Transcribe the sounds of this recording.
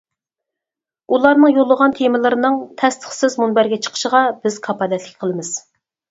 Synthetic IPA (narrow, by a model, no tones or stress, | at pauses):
ulˠɑɾnɨŋjolˠːəʁɑnt̪ʰemɪlˠɨɾɨnɨŋt̪ʰɛst̪ʰə̥χsɪzmunbæɾɡʲɛt͡ʃʰə̥qʰə̥ʃəʁɑbɪz̥kʰɑpʰɑd̪ɛt̪ʰlɪkʲqʰəlˠɨmɨz̥